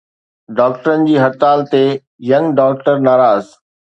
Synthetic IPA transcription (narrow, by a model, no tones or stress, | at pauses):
ɖaːk̚ʈəɾənɪ̆d͡ʑiːɦɐt̪aːlt̪e | jɐ̃ŋɡɖaːk̚ʈəɾnaːɾaːz